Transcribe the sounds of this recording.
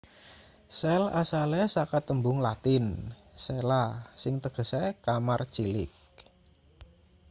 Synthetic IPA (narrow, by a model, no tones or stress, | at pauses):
sɛlasalɛsakat̪ːəmbʊŋlat̪ɪnsɛlasɪŋt̪əɡ̥ə̤sɛkamart͡ʃilɪ̰k̚